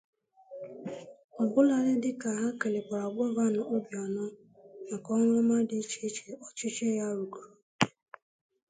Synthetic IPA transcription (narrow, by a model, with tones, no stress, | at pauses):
ɔ˨bʊ˦la˨ɾɪ˦dɪ˦ka˨ɦa˦ke˨lɪ˨k͡pa˨a˨ɡ͡bɔ˦va˦nʊ˨ʔo˦bjɔ˨nɔ˦ | ma˨kɔ˦ŋʷ˦ma˦di˨˦t͡ʃe˦t͡ʃe˨ɔ˦t͡ʃi˦t͡ʃe˦ja˦ɾu˨ku˨ɾ